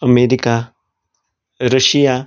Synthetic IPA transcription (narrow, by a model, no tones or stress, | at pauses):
əmeːɾika | ɾəʃija